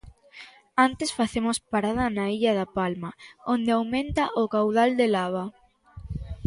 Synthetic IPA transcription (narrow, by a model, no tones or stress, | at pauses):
ant̪esfaθemospaɾað̞ɐnaiʎaðapalmaõnd̪eawmẽnt̪aʔʊkawð̞ald̪elaβ̞a